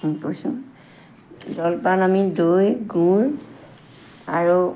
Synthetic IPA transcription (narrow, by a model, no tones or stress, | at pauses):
kojsũ | dɔlpalamidojɡuɹ | aɹu